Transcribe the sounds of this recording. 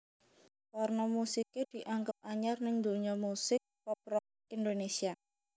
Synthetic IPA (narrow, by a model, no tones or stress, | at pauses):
warnɔmusiked̪̥i̤ʔaŋɡəp̚aɲarnɪŋd̪o̤ɲɔmusɪk̚pɔpɾɔ | ind̪onesia